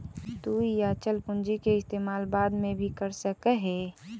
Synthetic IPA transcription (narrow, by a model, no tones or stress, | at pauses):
t̪uːjat͡ʃəlpʊ̃nd͡ʒikeɪst̪eːmaːlbaːd̪mẽbʱikəɾsəkəɦe